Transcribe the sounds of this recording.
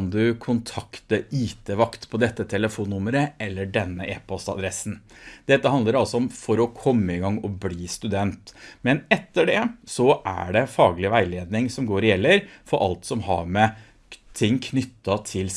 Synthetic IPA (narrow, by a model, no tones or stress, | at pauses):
nd̪ʉkʰʊnt̪ʰɑkt̪əɾiːt̪əʋɑkt̪pʰɔd̪ɛt̪ːət̪ʰɛləfuːnːʊməɾəɛlːəɖɛnːəʔeːpʰɔst̪ɑ̰d̪ɾɛsn̩d̪̥ɛt̪ːəhɑnd̪əɾɑlsɔɔmfɔɾɔkʰɔmːəɪɡɑŋːɔbliːst̪ʉd̪ɛnt̪mɛnɛt̪ːəɖɛsɔʔæ̰ɖɛfɑːɡlɪʋæɪleːd̪nɪŋsɔmɡoːɾɪjɛlːəɾfɔɾʔɑ̰lt̪sɔmɦɑ̰ɾmɛ | t̪ʰɪŋːkʰnʏt̪ːɑt̪ʰɪl